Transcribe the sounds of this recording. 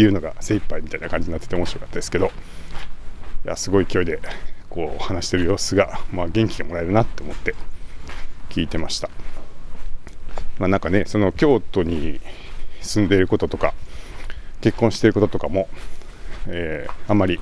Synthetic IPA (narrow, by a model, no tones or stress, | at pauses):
jɯ̟ːno̞ɡasẽ̞paimʲit̪ainakãɲd͡ʑiɲinat̪ːet̪eo̞moɕiɾo̞kḁt̪ːad̪esɨ̥ke̞d̪o̞ | ja̰sɨɡo̞ikʲio̞id̪e̞ko̞ːhanaɕi̥t̪e̞ɾɯ̟jo̞ːsɨɡamaːɡẽ̞ŋkʲiɡamo̞ɾae̞ɾɯ̟nat̪ːe̞omo̞t̪ːe̞ | kʲiːt̪e̞maɕi̥t̪ḁ | maːnãŋkane̞so̞no̞kʲo̞ːt̪o̞ɲ̟i | sɨ̃nd̪e̞iɾɯ̟ko̞t̪ot̪o̞ka | ke̞kːõɰ̃ɕi̥eɾɯ̟ko̞t̪ot̪o̞kamo̞ | eːamːaɾʲi